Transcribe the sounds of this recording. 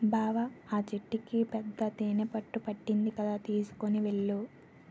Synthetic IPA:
bʱaːʋɐaːt͡ʃeʈːikipɛd̪ːɐt̪eːnepɐʈːupɐʈːind̪ikɐd̪aːt̪iːsu̥koniʋe̞ɭːu

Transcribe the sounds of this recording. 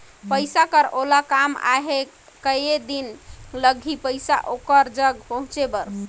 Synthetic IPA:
pəjsakəɾolakama̰ɦe | kəjed̪inləɡʱipəjsa̰ʔokəɾd͡ʒəɡpəɦũt͡ʃebəɾ

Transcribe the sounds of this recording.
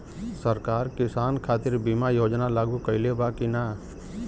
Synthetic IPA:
səɾkaːɾkɪsaːnkʰaːt̪ɪɾbimajoːd͡ʒnalaːɡukəɪlebakinaː

